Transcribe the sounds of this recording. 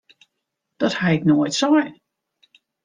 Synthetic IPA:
d̥ɔthaɪknoətsɔjn

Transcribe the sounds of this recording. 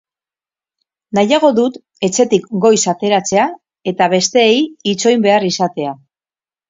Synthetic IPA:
najaɣ̞o̞ðut̪ | e̞t͡se̞t̪ikɡo̞jsat̪e̞ɾat͡se̞a | e̞t̪aβe̞st̪e̞ːjit͡so̞jmbe̞arisat̪e̞a

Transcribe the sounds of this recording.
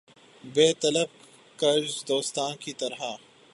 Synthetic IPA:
beːt̪ɐləb̚ | kɐɾd͡ʒd̪oːst̪aːnkit̪ɐɾɦa

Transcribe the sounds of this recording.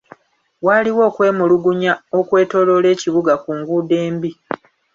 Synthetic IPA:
waːliwo̞ːkwe̞ːmuluɡuɲao̞kwe̞ːto̞lo̞le̞ːciβuɡakuːŋɡude̞ːmbi

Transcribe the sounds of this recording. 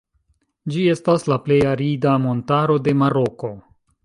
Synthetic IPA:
d͡ʒie̞staslaple̞jaɾidamo̞ntaɾo̞de̞maɾo̞ko̞

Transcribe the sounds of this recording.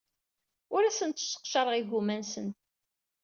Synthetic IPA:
ʊɾæsənt̪sə̥qʃɑɾˤəʁiʝumænsən

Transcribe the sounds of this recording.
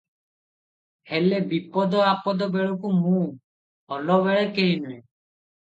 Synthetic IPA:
hɛlɛbipɔd̪ɔapɔd̪ɔbeɭɔkumũ | ɔlɔβɛɭɛkeinɛɛ

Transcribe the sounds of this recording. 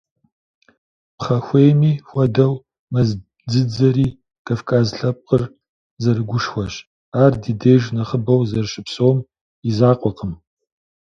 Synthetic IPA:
pχɐxʷejmiːxʷɐdɐw | mɐz | d͡zɨd͡zɐɾiː | kʰafkʰʼaːzɬɐp̚qʼər | zɐrɨɡʷʊʂxʷɐɕ | aːrdidejʒnɐχəbɐwzɐrʃɪpsowm | izaːqʷʼɔqʰʼəm

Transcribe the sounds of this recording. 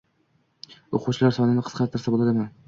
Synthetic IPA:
oqʰuwt͡ʃʰɪlaɾsɒnɪnɪqʰsqʰɑɾt̪ʰːɪɾsabolˠad̪ɪman

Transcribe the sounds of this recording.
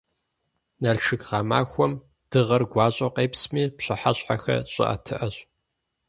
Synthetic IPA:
nɐɮʈ͡ʂʰɨɡʁɑːma̰ːxʷɔm | d̥ɨʁɐrɡʷɑːɕʼɐqeːpsmiːpɕɐħa̰ɕʼħaxɐ̰ɕʼɐ̰ʔɐ̰tʰɨʔɐɕʼ

